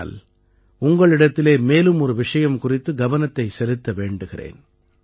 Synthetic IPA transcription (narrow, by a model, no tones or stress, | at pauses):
l | ʊŋɡɐɭɪɽɐt̪ːɪleːmeːlɯmɔɾɯʋɪʂɐjɐmkʊrɪt̪ːɯɡɐʋɐnɐt̪ːɐɪsɛlɯt̪ːɐʋeːɳɖɯɣɪrḛːn